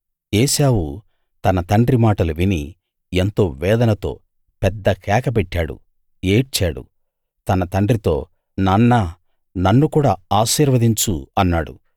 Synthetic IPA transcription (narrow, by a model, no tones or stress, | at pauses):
eːʃaːwu | t̪ɐnɐt̪ɐɳɖɾimaːʈɐluʋini | ent̪o̞ːʋɛːd̪ɐnɐt̪o̞̰ː | pɛd̪ːɐkɛːkɐp̬ɛʈːaːɽṵ | eːʈ̚t͡ʃaːɽṵ | t̪ɐnɐt̪ɐɳɖɾit̪o̞̰ː | nɐnːɐ | nɐnːukuːɽaːaːʃiːɾʋɐd̪iɲt͡ʃuɐnːaːɽṵ